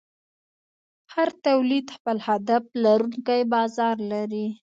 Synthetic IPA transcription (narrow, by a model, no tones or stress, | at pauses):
haɾt̪awlid̪xpəlhad̪aflaɾuŋkajbɑzɑɾlaɾi